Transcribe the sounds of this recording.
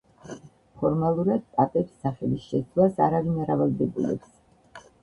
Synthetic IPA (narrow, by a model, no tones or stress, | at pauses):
pʰɔɾmalˠuɾad̪̥̚t̪ʼat̪ʼɛpsːaχɛlisʃɛlasaɾavinaɾavalˠd̪ɛbulɛ̰ps